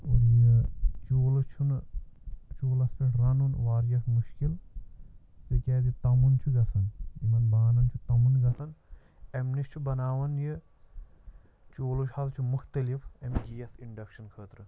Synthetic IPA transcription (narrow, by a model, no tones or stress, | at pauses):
uɾjɨt͡ʃoːlɐt͡ʃʰun | t͡ʃoːlɐsmɐʈɾɐnunʋaːɾjɐkʰmuʃkil | zɨkʲɛːd̪it̪ɐmunt͡ʃʰuɡɐsɐnmɐnbaːnɐnt͡ʃʰut̪ɐmunɡɐsɐn | ɐmnist͡ʃʰubɐnaːʋɐnjɨ | t͡ʃoːlut͡ʃʰhɐlt͡ʃʰumuxt̪ɐlifɐmiɡijɐsiɳɖɐkʃɐnkʰəːt̪ɾɨ